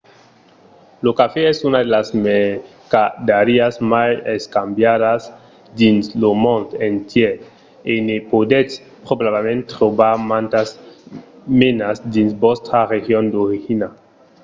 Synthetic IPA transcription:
lokafeɛsunad̪elasme | kad̪aɾiasmajeskambjadas | d̪inslomõnt̪ent̪je | enepod̪es | pɾobabemẽnt̪ʁobaɾmãnt̪as | menasd̪insbost̪aʁexjond̪oɾixina

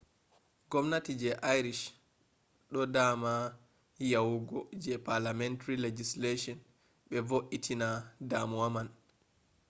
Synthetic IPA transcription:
ɡɔmnatid͡ʒɛʔajɾiʃ | ɗɔdama | jawuɡɔd͡ʒɛpaɾlamɛntaɾiled͡ʒisleʃɔn | ɓɛvoʔitʰinadamuwaman

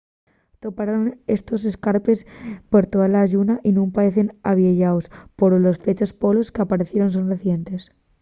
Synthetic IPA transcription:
t̪o̞paɾone̞st̪o̞s̬e̞skaɾpe̞spoɾt̪oðalaːʝunaʔinũmpaɾe̞θe̞na̰βjeʝaospo̞ɾlo̞sfe̞t͡ʃospo̞lo̞skeapaɾe̞θje̞ɾo̞nsonreθje̞nt̪e̞s

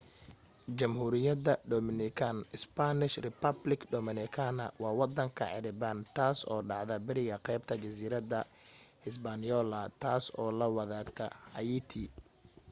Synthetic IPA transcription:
t͡ʃɐmhuːɾɪjɐðɐd̪ɔmɪnɪkʰanɪspanɪʃrɪpɐblɪɡd̪ɔmɪnɪkʰanɐwɑːwɑd̪ɐŋkʰɐ̰ʕɪ̰ɾɪbant̪ʰaːsɔːɖɑʕðɐbɪɾɪɣɐqɛjb̚t̪ʰɐt͡ʃɐsiːɾɐd̪ɐhɪsbanjɔːlɐt̪ʰaːsɔːlɐwɑðaːkt̪ʰɐhɐjiːt̪ʰi

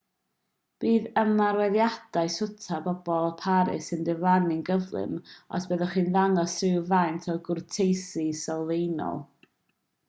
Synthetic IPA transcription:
b̥iːðəmarwɛðjad̥aɨsʊtʰabɔb̥ɔlˠpʰaɾɨ̰səndɪvanɪŋɡəvlˠɨ̰mɔ̰sb̥əðɔχiːnðaŋɔsrɪwvajntʰɔɡʊrtʰejsɨsɔlˠvejnɔ̰lˠ

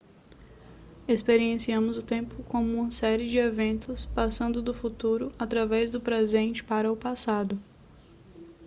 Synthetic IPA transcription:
espeɾiẽsiɐ̃mʊzʊt̪ẽmpʊkõmʊũmɐsɛɾɪd͡ʒɪevẽnt̪ʊspasɐ̃nd̪ʊd̪ʊfut̪uɾʊat̪ɾavɛzd̪ʊpɾezẽnt͡ʃɪ̥paɾɐʊpasad̪ʊ

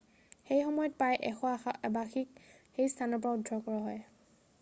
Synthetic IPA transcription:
xejxɔmɔjɔt̚pajʔɛxɔbaxik̚xejstʰanɔɹp̬ɔɹaudʱɹɔkɔɹaɦɔj

